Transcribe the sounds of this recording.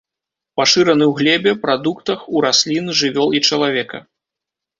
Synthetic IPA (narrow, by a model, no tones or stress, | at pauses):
paʂɨɾɐnɨwɣlʲɛbʲɛpɾad̪ukt̪ɐxuɾasʲlʲinʐɨvʲɔlˠit͡ʂɐlˠavʲɛkɐ̰